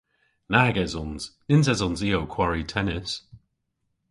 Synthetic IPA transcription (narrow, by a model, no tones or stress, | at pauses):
naːɡɛzɔnz̥nɪnz̬ɛzɔnziowkʰw̥aɹitʰɛnɪs